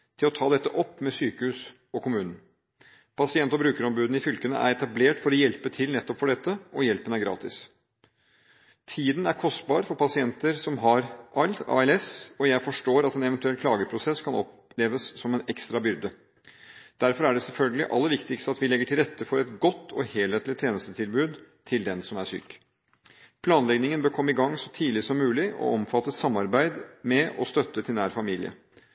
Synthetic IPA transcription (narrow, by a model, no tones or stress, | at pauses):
t̪ʰɪlɔt̪ʰɑːd̪ɛt̪ːəʔɔpːmɛsyːkəhʉːs | ɔkʰʊmʉːnn̩ | pʰɑsɪɛnt̪ɔbɾʉːkəɾɔmbʉːd̪n̩ɪfʏlkənə̰ʔæ̰ɾɛt̪ɑbleːʈfɔɾɔjɛlpət̪ʰɪlnɛt̪ːɔpfɔɖɛt̪ːəʔɔjɛlpənəæɾɡɾɑ̰ːt̪ɪs | t̪ʰiːd̪n̩æɾkʰɔst̪bɑːɾfɔɾpɑsɪɛnt̪əɾsɔmɦɑɾʔɑlt̪ɑ̰ːɛlɛsɔjæɪfɔʂʈoːɾɑt̪ɛnɛʋənt̪ʉɛlkʰlɑːɡəpʰɾʊsɛskʰɑnɔ̰p | leːʋəsːɔmɛnɛkst̪ɾɑbʏɾd̪ə | d̪̥æɾfɔɾæɖɛsɛlfœlɡəlɪ̰ʔɑ̰lːəɾʋɪkt̪ɪkst̪əɑt̪ʋɪlɛɡːəʈʰɪlɾɛt̪ːəfɔɾɛt̪ɡɔt̪ːɔheːlheːt̪lɪt̪ʰːjeːnəst̪ət̪ʰɪlbʉːd̪ | t̪ʰɪld̪ɛnsɔmæʂy̰ːk | pʰlɑːnlɛɡnɪŋənbøːɾkʰɔmːəɪɡɑŋːsɔt̪ʰiːlɪsɔmːʉːlɪʔɔ̰ɔmfɑt̪ːəssɑmːɑɾbæɪd̪mɛʔɔ̰st̪œt̪ːət̪ʰɪlnæːɾfɑmiːlɪ̰ə̰